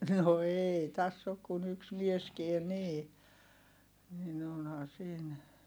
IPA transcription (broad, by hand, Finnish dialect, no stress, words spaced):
no eˑi tæsː ok kun yks mieskien niː nin onhɑː siːn